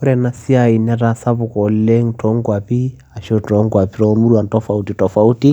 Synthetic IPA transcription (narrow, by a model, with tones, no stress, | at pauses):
ɔ˦ɾɛ˨na˨si˦a˨i˨na˦ɾa˦sa˦βu˨kɔ˨lɛ˦ŋtʰɔ˦ŋɡwa˨pi˦ | a˨ʃɔ˦tɔ˨˦ŋɡwa˨pi˦ɾɔ˨mu˦ɾua˨ntɔ˦fa˨uti˨tɔ˨fa˨u˦ti˦